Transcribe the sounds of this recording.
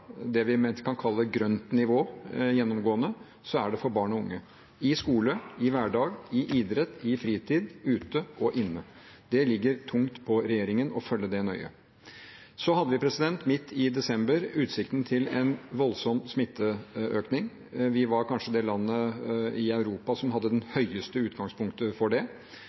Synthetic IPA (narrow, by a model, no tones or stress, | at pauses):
d̪ɛʋɪmɛkʰɑnkʰɑlːəɡɾœnt̪nɪʋoːjɛnːɔmɡoːənə | sɔæɖɛfɔɾbɑːɳɔʊŋːə | ɪskuːləɪʋæɖɑːɡɪʔiːd̪ɾɛt̪ːɪfɾiːt̪ʰiːd̪ʉːt̪əɔʔɪnːə | d̪ɛlɪɡːəɾt̪ʰʊŋt̪pʰɔɾɛjeːɾɪŋənɔfœlːəd̪ɛnœʏə̰ | sɔɦɑd̪ːəʋɪpʰɾɛsɪd̪ɛnt̪mɪt̪ʰːɪd̪ɛsɛmbəɾʉːt̪sɪkt̪ənt̪ʰɪlɛnʋɔlsɔmsmɪt̪ʰːəʔøːknɪŋ | ʋɪʋɑɾkʰɑnʂəd̪ɛlɑnːəɪɑʉɾuːpɑsɔmhɑd̪ːəd̪ɛnhœʏəst̪əʉːt̪ɡɑŋspʰʊŋkt̪əfɔɖɛ